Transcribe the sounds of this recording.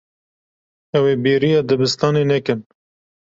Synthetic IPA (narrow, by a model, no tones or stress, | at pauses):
ɛweːbiːɾijɑd̪ɨbɨst̪ɑːneːnɛkɨn